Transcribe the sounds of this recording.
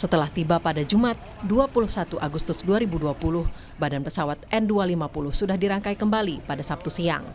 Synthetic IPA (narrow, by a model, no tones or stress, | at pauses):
sət̪əlaht̪ibapadad͡ʒumat̪̚duapulʊhsat̪uʔaɡust̪ʊsduaɾibuduapulʊh | badanpəsawat̪̚ʔɛndualimapulʊhsudahdiɾaŋkaikəmbalipadasap̚t̪usia̰ŋ